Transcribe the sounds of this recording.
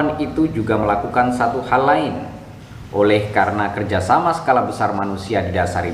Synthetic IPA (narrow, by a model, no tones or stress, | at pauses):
anit̪ud͡ʒuɡaməlakukansat̪uhalːaɪn | ʔolɛhkaɾənakərd͡ʒasamasə̥kalabəsarmanusiadidasa̰ɾi